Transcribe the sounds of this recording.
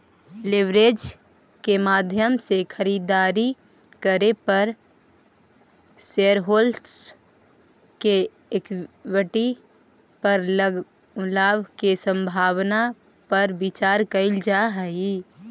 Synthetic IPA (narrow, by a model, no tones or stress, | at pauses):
lɪʋɾeːd͡ʒ | kemaːd̪ʱjəmsekʰəɾiːd̪aːɾi | kəɾepəɾ | seɾɦoːls | ke | ekʋəʈi | pəɾ | laːʋkesə̃mbʱaːwna | pəɾbɪt͡ʃaːɾkəɪld͡ʒaɦəi